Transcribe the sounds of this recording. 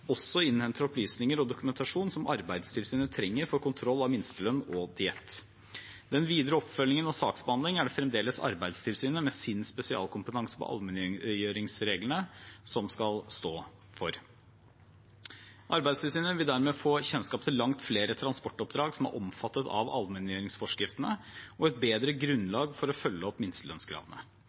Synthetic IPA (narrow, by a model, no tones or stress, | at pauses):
ɔsːɔɪnːhɛnt̪ʰəɾɔplyːsnɪŋəɾɔd̪ʊkʉmɛnt̪ɑʂuːnsɔmʔɑ̰ɾbæɪd̪st̪ʰɪlsyːnət̪ʰɾɛŋːəɾfɔɾkʊnt̪ʰɾɔlːɑʋmɪnst̪əlœnɔd̪ɪɛt̪ː | d̪̥ɛnʋiːd̪ɾəɔpːfœlːɪŋənɑsɑːksbəɑnd̪lɪŋæɖɛfɾɛmd̪eːləsɑ̰ɾbæɪd̪st̪ʰɪlsyːnəmɛsɪnspɛsɪɑ̰ːlkʰʊmpət̪ʰɑŋsə̥pʰɔ̰ʔɑ̰lmənœʏøːɾɪŋsɾeːɡlənəsɔmskɑlst̪oː | fɔɾ | ʔɑɾbæɪd̪st̪ʰɪlsyːnəʋɪld̪æɾmɛːfoːçɛnskɑːp̚t̪ʰɪlɑŋt̪fleːɾət̪ʰɾɑnspɔʈːɔp̚d̪ɾɑːɡsɔmæ̰ɾʔɔ̰mfɑt̪ːət̪ɑ̰ʋɑ̰lmɛnjøːɾɪŋsfɔʂkɾɪft̪ənə̰ɔɛt̪̚beːd̪ɾəɡɾʉnlɑːɡfɔɾɔfœlːəɔpːmɪnst̪əlœ̰nskʰɾɑ̰ːd̪ənə̰